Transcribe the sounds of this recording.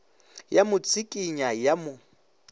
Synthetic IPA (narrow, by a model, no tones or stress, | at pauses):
jamʊt͡sʰʼikʼiɲajamʊ